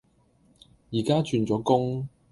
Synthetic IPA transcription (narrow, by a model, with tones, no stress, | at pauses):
jiː˨˩kaː˥t͡ʃyː˧nt͡sɔː˨˥kʊ˥ŋ